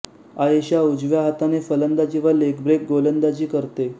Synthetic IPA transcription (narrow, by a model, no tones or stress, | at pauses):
aeɕaud͡zʋjaɦat̪anefələnd̪ad͡ʑiʋəɾlekbɾek̚ɡolənd̪at͡ɕiːkəɾt̪e